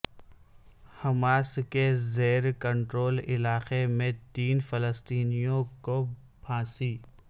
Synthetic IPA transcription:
hɐmaːskezeːɾkə̃ɳʈɾoːlɪlaːxemẽt̪iːnfɐləst̪iːnijõko | bʰʱãːsiː

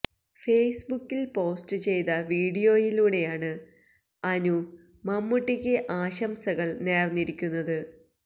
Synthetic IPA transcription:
fe̞ːsbukːilpo̞ːstɨt͡ɕe̞jt̪ɐʋiːɽijo̞ːjiluːɽe̞jaːɳɨ | ɐnu | mɐmːuʈːikʲːɨʔaːɕɐmsɐɣɐɭne̞ːrnːiɾikʲːunːɐðɨ

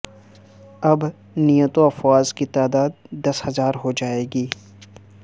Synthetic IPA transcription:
ɐb | nijət̪oɐfwaːzkit̪aːd̪aːd̪̚ːɐshɐzaːɾɦod͡ʒaːeːɡiː

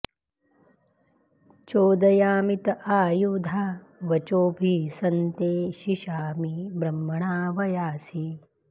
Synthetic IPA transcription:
t͡ʃoːd̪ɐjaːmit̪ɐʔaːjud̪ʱa | ʋɐt͡ʃoːbʱiːsɐnt̪eːʃiʃaːmibɾɐmːɐɳaːʋɐjaːsi

